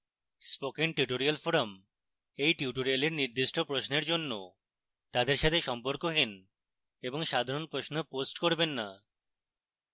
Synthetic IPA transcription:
spokiŋʈuʈoɾialfoɾom | ejʈiʈoɾijaleɾniɾd̪iʃʈʰopɾoʃneɾd͡ʑonːo | t̪ad̪eɾʃat̪ʰeʃɔmpoɾkoɦin | eboŋʃad̪ʱaɾonpɾoʃnoposʈkoɾbenːa

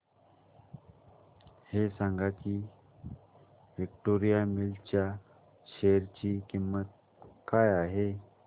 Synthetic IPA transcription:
hesaŋɡaki | ʋikʈoɾijamilt͡ɕja | ɕejəɾt͡ɕiːkimːət̪̚ | kajaɦe

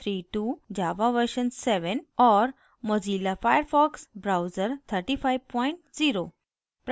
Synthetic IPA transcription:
t̪ʰɾiʈud͡ʑaʋaʋəɾɕənseʋənɔɾ | mɔd͡zilafajəɾfɔksbɾawd͡zəɾt̪ʰəɾʈifajʋpɔiɳʈd͡ziɾo | pɾ

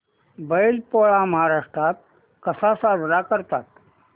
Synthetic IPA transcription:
bəjlpoɭaməɦaɾaʂʈɾat̪̚ | kəsasaɾɾakəɾt̪at̪̚

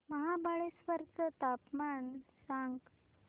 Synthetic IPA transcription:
məɦabaɭesʋəɾt͡sət̪apmansaŋɡ

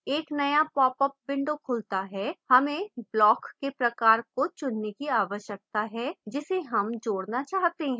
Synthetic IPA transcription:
eːknɐjapɔːpəp̚bɪ̃ɳɖokʰʊlt̪aɦɛhɐmẽblɔːkːepɾɐkaːɾkot͡ʃʊnːekiaːʋəʃjək̚t̪aɦɛd͡ʒɪseɦɐmd͡ʒoːɽnat͡ʃaːɦt̪eɦɛ̃

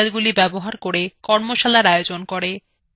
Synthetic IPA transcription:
lɡulibɛboɦaɾkoɾekɔɾmoʃalaɾaeod͡ʑonkoɾe

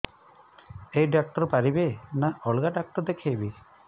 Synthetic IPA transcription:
ejɖak̚ʈɔɾpaɾibenaʔɔɭɡaɖak̚ʈɔɾd̪ekʰejbi

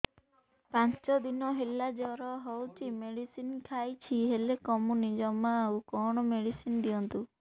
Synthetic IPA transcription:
pãnt͡ʃɔd̪inɔɦelad͡ʒɔɾɔɦɔwt͡ʃʰimeɽisinkʰajt͡ʃʰiɦelekɔmunid͡ʒɔmaawkɔɽ̃ɔmeɽisinɖijɔnt̪u

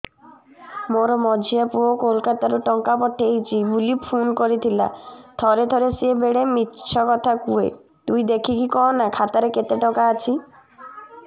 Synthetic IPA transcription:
moɾmɔd͡ʒʱiapuokolkat̪aɾuʈɔŋkapɔʈʰːeejt͡ʃʰibulipʰunkoɾit̪ʰila̰d̪̥ʱɔɾed̪ʱoɾesiebeɽemitːʃʰɔkɔt̪ʰakuḛ | t̪uid̪ekʰikikɔonakʰat̪aɾeket̪eʈɔkaːt͡ʃʰi

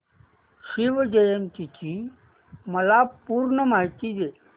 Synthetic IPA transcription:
ʃiʋd͡ʑəjənt̪it͡ɕi | məlapuːɾɳəmajt̪id͡ʑe

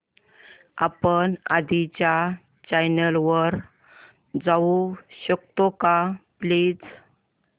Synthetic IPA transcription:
apənad̪ʱit͡ɕja | t͡ɕajnəlʋəɾ | d͡zauɕəkt̪okapliːd͡z

